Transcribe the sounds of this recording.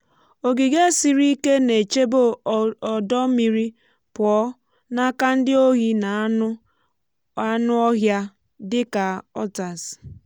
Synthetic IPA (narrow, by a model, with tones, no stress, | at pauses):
o˨ɡi˨ɡe˦si˨ɾi˦ke˦ne˨t͡ʃe˦bo˦ɔ˨dɔ˦mi˨ɾi˦ | pɔ˦ | na˦ka˦n̩˦dɪ˦o˦ɣi˦na˨˦ʊ˦ | a˦nʊ˦ɔ˦ɦja˦ | dɪ˦ka˨ɔ˦ta˨s